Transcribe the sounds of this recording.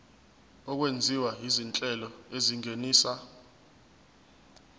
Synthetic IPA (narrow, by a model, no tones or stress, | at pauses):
ɔk̬wend͡zʱiwaɦizint͡ɬʼɛlɔeziŋeniːsa